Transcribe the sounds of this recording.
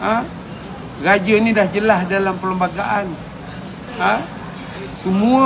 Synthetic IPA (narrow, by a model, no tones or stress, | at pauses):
ə | rad͡ʒanidahd͡ʒəlasdalampələmbaɡaʔan | ə | səmua